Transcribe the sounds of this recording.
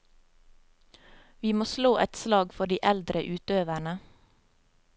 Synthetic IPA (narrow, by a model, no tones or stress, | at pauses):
ʋiːmoːsloːʔɛt̪slɑːɡfɔɖiːʔɛld̪ɾəʔʉːt̪øːʋæɳə